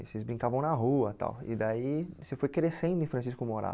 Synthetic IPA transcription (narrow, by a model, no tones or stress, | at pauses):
sezbɾĩŋkavɐ̃w̃nɐɦuɐt̪a̰wɪ̰d̪aisefojkɾesẽnd̪ʊẽfɾɐ̃s̬iskʊmoɾa̰